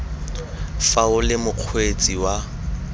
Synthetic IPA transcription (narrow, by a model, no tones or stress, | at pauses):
faʊlɪmʊq͡χʰwet͡sʼiwa